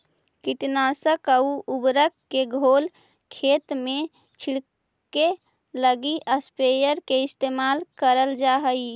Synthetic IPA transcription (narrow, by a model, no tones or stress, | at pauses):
kiʈnasəkəuubɾəkːeɡʱol | kʰet̪me | t͡ʃʰiɽ | ke | ləɡiʔəspejəɾkeɪst̪emalkəɾəld͡ʒaɦəi